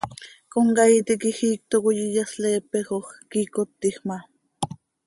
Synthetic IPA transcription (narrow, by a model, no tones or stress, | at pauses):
koŋɡɑjt̪ikixiːk̚t̪okojijasleːpeχoχkikot̪ːiχmɑ